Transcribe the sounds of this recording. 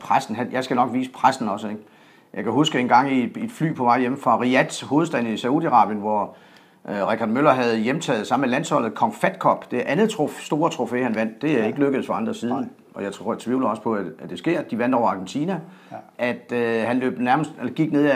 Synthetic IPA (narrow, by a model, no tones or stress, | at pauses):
pʰʁasdn̩ɦænjɑ̈ɪsɡ̥ænɒ̽ɡ̥ʋiːsə̥pʰʁasd̥n̩ɒ̽səeɡ̥ | jʔɑ̈ɪkʰæɦusɡ̥əe̝nɡ̥ɑ̈ŋ̰id̥fly̰ːpʰɒ̽mɑ̈ɪjem̩fʁɑ̈ʁiæd̥ho̝ːð̞̩ˠsd̥æn̩isæuðˠiɑʁɑ̰̈ːb̥jənʋɒ | ʁɛkʰɑd̥mølɐɦæð̞̩ˠjemt͡sʰɛ̰ːð̞̩ˠsɑ̈melæn̰shɒ̽l̰ð̩ˠkʰɒ̽ŋfæd̥kʰɒ̽b̥d̥e̝ʔænð̩ˠt͡sʰosd̥o̝ːɐt͡sʰʁo̝fe̝̰ːhænʋæn̰d̥ːe̝æe̝ɡ̥əløɡ̥əð̩ˠfɒɑ̈nd̥ʁɐsiːð̞ˠ | ʔɒ̽jɑ̈ɪt͡sʰʋiʊlɐɒ̽sə̥pʰɒ̽ææd̥e̝sɡ̥e̝ɐ̰d̥iʋæn̰d̥ɒʊɑ̈ːɡ̥ent͡sʰinæ | ʔæd̥hænlø̰ːb̥næɐməsd̥elɡ̥iɡ̥ne̝ð̰ˠ